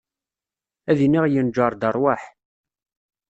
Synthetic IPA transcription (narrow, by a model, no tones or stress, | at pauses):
æðiniʁjənd͡ʒəɾˤd̪ərˤwaħ